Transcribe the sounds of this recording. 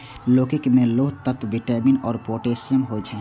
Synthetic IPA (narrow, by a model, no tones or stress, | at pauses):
loːkɪkmẽloːɦt̪ət̪ʋɪʈɛːminɔːɾpoːʈeːsənɦod͡ʒɛ